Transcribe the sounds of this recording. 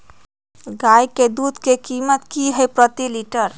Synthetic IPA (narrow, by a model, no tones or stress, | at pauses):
ɡajked̪ud̪ʱkekimət̪kiɦəjpɾət̪iliʈəɾ